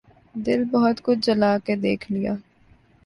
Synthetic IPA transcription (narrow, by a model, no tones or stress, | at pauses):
d̪ɪlbɐɦɔt̪kʊt͡ʃʰd͡ʒɐlaːked̪eːkʰlija̰ː